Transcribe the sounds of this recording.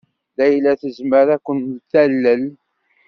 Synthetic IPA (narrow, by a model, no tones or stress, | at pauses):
ðæjlːæθəzməɾækʷːəntt̪ːælːəl